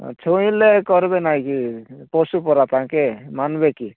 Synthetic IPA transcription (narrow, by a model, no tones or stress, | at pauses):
t͡ʃʰɔĩlekɔɾbenaĩkipɔsupɔɾat̪ãkemanbeki